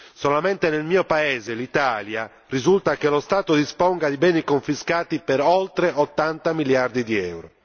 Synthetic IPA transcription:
solament̪enelmiːopaeːzelit̪aːlja | rizult̪akelost̪aːt̪od̪ispɔŋɡad̪ibɛːnikoɱfiskaːt̪ipeɾɔlt̪ɾeʔot̪ːant̪amiljard̪id̪iɛ̰wɾo

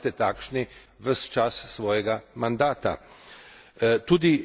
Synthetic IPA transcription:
t̪ɛt̪aːkʃni | ʋəst͡ʃassʋoːjɛɡamand̪aːt̪a̰ | t̪uːd̪i

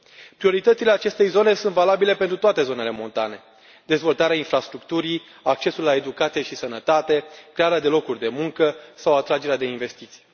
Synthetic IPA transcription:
pɾio̞ɾit̪ət̪sileat͡ʃe̞st̪e̞jzo̞ne̞sunt̪valabile̞pent̪ɾut̪oat̪e̞zo̞ne̞le̞mo̞nt̪a̰ne̞ | d̪e̞zvo̞lt̪aɾeainfɾast̪ɾukt̪uɾi | ak̚t͡ʃe̞sulːae̞d̪ukat̪sije̞ʃisənət̪at̪e̞kɾe̞aɾead̪e̞lo̞kurʲd̪e̞muŋkəsawat̪ɾad͡ʒe̞ɾead̪e̞inve̞st̪it̪si̥

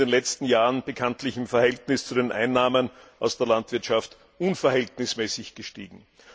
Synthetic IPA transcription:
deːnlɛt͡stn̩jaːʁənb̥əkʰantlɪçɪmfɛɐhɛltnɪst͡sudeːnʔa̰ɪnːaːmənʔaʊsd̥eːɐlantv̥ɪɐtʃaft | ʔʊnfɛɐhɛltnɪsmɛːsɪçɡ̥əʃtiːɡŋ̩

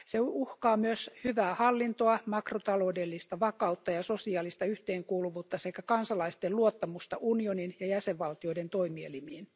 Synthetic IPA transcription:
seuhkɑːmyøshyʋæːhɑlːint̪oɑmɑkrot̪ɑloːdelːist̪ɑʋɑkɑut̪ːɑjɑsosiɑːlist̪ɑyht̪eːŋkuːluʋuːt̪ːɑsekækɑnsɑlɑist̪eluot̪ːɑmust̪ɑʔunioninjɑjæseʋʋɑlt̪ioident̪oimielimiːn

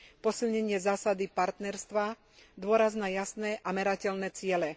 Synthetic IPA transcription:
pɔsilɲɛɲɪɛzaːsad̪ipaɾt̪nɛɾst̪ʋa | d̪ʊɔɾaznajasnɛʔamɛɾacɛlnɛt͡sɪɛlɛ

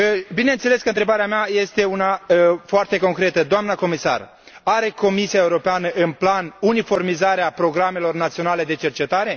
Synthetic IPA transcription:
bine̞nt̪se̞le̞skəɨnt̪ɾe̞baɾeameaje̞st̪e̞unafoart̪e̞ko̞ŋkɾe̞t̪əd̪oamnəko̞misa̰r | aɾe̞ko̞misiaeuɾo̞peanəʔɨnplanunifo̞rmizaɾeapɾo̞ɡɾame̞lo̞rnat̪sio̞nale̞d̪e̞t͡ʃe̞rt͡ʃe̞t̪aɾe̞

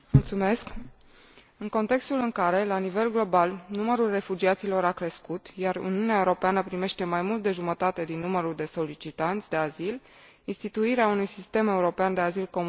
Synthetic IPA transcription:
mult̪sume̞sk | ɨŋko̞nt̪e̞kst̪ulɨŋkaɾe̞lanive̞lɡlo̞balnuməɾulre̞fud͡ʒiat̪silo̞ɾakɾe̞skut̪jaɾṵniuneae̞uɾo̞peanəpɾime̞ʃt̪e̞majmult̪̚d̪e̞ʒumət̪at̪e̞d̪inːuməɾuld̪e̞so̞lit͡ʃit̪ant̪sʲd̪e̞azil | inst̪it̪uiɾeaunujsist̪e̞me̞uɾo̞peand̪e̞azilko̞m

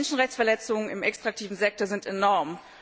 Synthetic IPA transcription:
nʃn̩ʁɛçt͡ssfɛɐlɛt͡sʊŋənɪmɛkstʁ̥ak̚tʰiːvn̩zɛk̚toɐzɪntɛnɔɐm

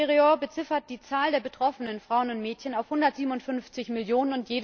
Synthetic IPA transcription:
ʁioːɐbət͡sɪfɐt̚d̥iːt͡saːldeːɐbətʁ̥ɔfənənfʁ̥aʊənʊntmɛːtçənaʊfhʊndɐtz̥iːbm̩ʊntfʏnft͡sɪçmɪljoːnənʊntjeːd

